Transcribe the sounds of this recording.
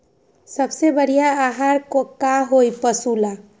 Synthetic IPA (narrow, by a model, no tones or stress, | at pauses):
səbsebəɽ̤ijaːɦaɾkokːaɦojpəsula